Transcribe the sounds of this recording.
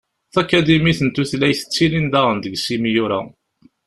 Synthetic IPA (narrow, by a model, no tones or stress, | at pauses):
θækːæd̪imiθənt̪uθlæjθə̥t͡sːilind̪æʁənd̪əɡsimijuɾa̰